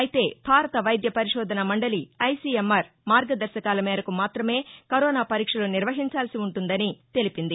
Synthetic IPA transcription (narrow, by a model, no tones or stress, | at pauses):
ɐjit̪e̞ːbʱaːɾɐt̪ɐʋɐjd̪jɐpɐɾiʂɔːd̪ʱɐnɐmɐɳɖɐliɐjsiːemːɐɾ | maːɾɡɐd̪ɐɾʃɐkaːlɐmɛːɾɐkumaːt̪ɾɐme̞ːkɐɾɔːnaːpɐɾiːkʂɐloːniɾʋɐɦiɲt͡ʃaːlsiuɳʈund̪ɐnit̪e̞lipind̪i